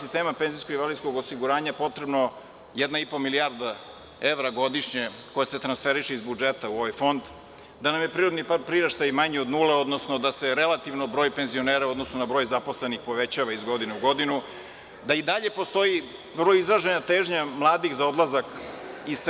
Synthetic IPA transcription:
sist̪eːmapenzijskoɡiʋaliskoɡosiɡuɾaːɲapo̞t̪ɾebno̞ | jɛd̪naipo̞miliaɾd̪a | eʋɾaɡo̞d̪iʂɲe | ko̞jaset̪ɾansfeɾiʃeizbud͡ʒet̪auo̞ʋajfo̞nd̪ | d̪anamjepɾiːɾod̪nipaɾpɾiɾaʃt̪ajmaɲeod̪nuːleo̞d̪nosno̞d̪ase̞ɾe̞lˠat̪iʋnobɾo̞ːjpenzio̞neɾauod̪nosnonabɾo̞jzapo̞sle̞nixpo̞ʋet͡ɕaʋaizɡo̞d̪ineuɡo̞d̪inu | d̪aid̪aʎe̞post̪o̞ji | bɾojizɾaʒenat̪eːʒɲamlˠaːd̪ixzao̞d̪lˠazakis

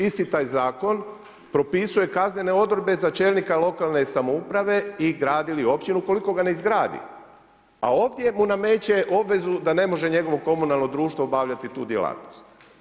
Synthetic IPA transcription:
ist̪it̪aːjzaːko̞n | pɾo̞pisuje̞kazɲe̞ne̞o̞d̪ɾod̪be̞zat͡ʃeːlˠnikalˠo̞kalˠne̞samoupɾaʋe̞iɡɾaːd̪ilio̞pt͡ɕinuko̞liko̞ɡane̞izɡɾaːd̪ḭ | a̰o̞ːʋd̪ʲje̞muname̞ːt͡ɕe̞ʔo̞bʋe̞zud̪ane̞mo̞ʒe̞ɲe̞ɡo̞ʋo̞ko̞munalˠno̞d̪ɾuːʃt̪ʋobaʋʎat̪it̪uːd̪jelˠa̰ːt̪nost̪

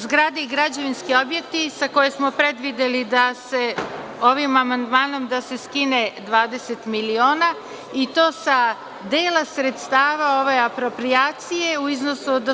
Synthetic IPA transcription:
zɡɾad̪iɡɾad͡ʑeʋinskio̞bje̞k̚t̪isako̞jesmo̞pɾe̞d̪ʋid̪elid̪ase̞o̞ʋimamand̪maːno̞md̪ase̞skine̞d̪ʋaːd̪ese̞t̪milio̞ːna | it̪o̞ːsa | d̪eːlasɾe̞t̪st̪aːʋao̞ʋe̞apɾo̞pɾiaːt̪sije̞uizno̞sud̪

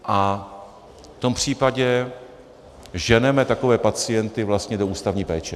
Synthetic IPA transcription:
ʔa | ft̪o̞mpr̝̥iːpaɟɛ | ʒɛnɛmɛt̪ako̞vɛːpat͡sɪjɛnt̪ɪvlast̪ɲɛdo̞uːst̪avɲiːpɛːt͡ʃɛ

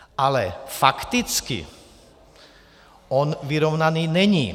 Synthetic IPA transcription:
ʔalɛfakt̪it͡skḭ | ɔnʋiɾɔʊnaniːɲɛɲiː

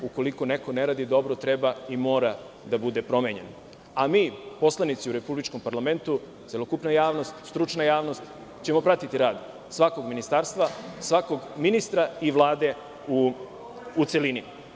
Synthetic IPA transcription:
uko̞liko̞ne̞ko̞neɾaːd̪id̪o̞bɾot̪ɾe̞baimo̞ːɾa | d̪abud̪e̞pɾo̞meɲe̞̰n | amiːpo̞slˠanit̪siuɾe̞publit͡ʃko̞mpaɾlame̞nt̪u | t̪se̞lo̞kupnajaːʋno̞st̪st̪ɾut͡ʃnajaːʋno̞st̪ | t͡ɕe̞mo̞pɾat̪it̪iɾaːd̪ | sʋako̞ɡminist̪aɾst̪ʋasʋako̞ɡminist̪ɾaiʋlˠaːd̪e̞ | uː | t̪se̞lini

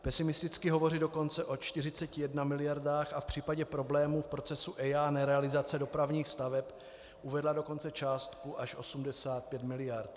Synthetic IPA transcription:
pɛsɪmɪst̪ɪt͡skɪɦo̞vo̞rɪdoko̞nt͡sɛʔot͡ʃt̪ɪrɪt͡sɛcɪjɛdnamɪlɪjaɾdaːxafpr̥iːpaɟɛpɾo̞blɛːmuːfpɾot͡sɛsuʔɛjanɛɾɛalɪzat͡sɛdo̞pɾavɲiːxst̪avɛp | ʔuvɛdlado̞ko̞nt͡sɛt͡ʃaːst̪kuʔaʃʔosumdɛsaːt̪̚pjɛt̪mɪlɪjaɾt̪

